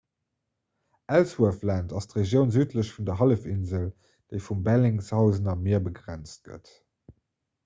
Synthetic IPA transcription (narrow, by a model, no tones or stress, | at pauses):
ʔælswuəflæntɑstʁeʒjəʊnzyːtʰləɕfundɐɦɑləfinzəl | d̥eɪfumbælɪŋshɑʊzənɑmiɐbəɡʁænt͡st̚ɡ̥ə̰t